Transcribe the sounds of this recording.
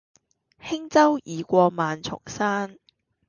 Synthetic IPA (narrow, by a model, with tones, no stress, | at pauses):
hɪ˥ŋt͡sɐ˥wʔiː˨˧kʷɔː˧maː˨˧nt͡ʃʰʊ̰˨˩ŋsaː˥n